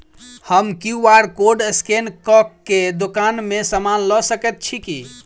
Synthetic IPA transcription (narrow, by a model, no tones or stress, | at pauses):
həmkiuaɾkoɖəskenkɔkːed̪ukanmesəmanlɔsəkɛt̪̚t͡ʃʰiki